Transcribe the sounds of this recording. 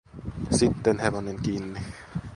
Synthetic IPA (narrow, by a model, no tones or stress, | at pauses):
sit̪ːenheʋoneŋkiːnːi